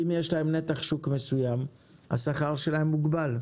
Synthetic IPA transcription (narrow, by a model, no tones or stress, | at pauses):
imjeʃlaemnet̪aχʃukmesujam | a̰saχaʁʃelahemːuɡbal